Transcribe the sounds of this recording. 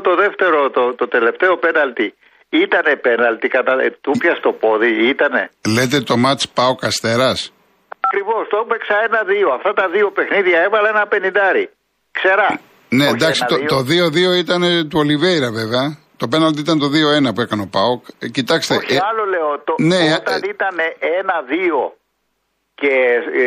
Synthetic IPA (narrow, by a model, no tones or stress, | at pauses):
t̪o̞ðe̞ft̪e̞ɾo̞t̪ot̪ot̪e̞le̞ft̪e̞o̞pe̞nɐlt̪i | it̪ɐne̞penɐlt̪ikɐt̪ɐt̪upçɐst̪o̞po̞ðiit̪ɐne̞le̞t̪e̞t̪o̞mɐt͡ʃpɐokɐst̪e̞ɾɐs | ɐkɾivo̞st̪oupeksɐenɐðioɐft̪ɐt̪ɐðio̞pe̞xniðʝɐe̞vɐlɐenɐpe̞nind̪ɐɾi | kse̞ɾɐ | ne̞d̪ɐksit̪ot̪o̞ðio̞ðio̞it̪ɐne̞t̪uolivejɾɐveveɐ | t̪o̞penɐlt̪iit̪ɐnet̪o̞ðio̞e̞nɐpue̞kɐneo̞pɐokcit̪ɐkst̪eɐloleot̪one̞t̪nit̪ɐneenɐðio̞ | ce